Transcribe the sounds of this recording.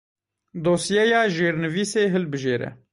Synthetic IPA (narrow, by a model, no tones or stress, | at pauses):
d̪oːsijɛjɑːʒeːɾnɨviːseːɦɨlbɨʒeːɾɛ̰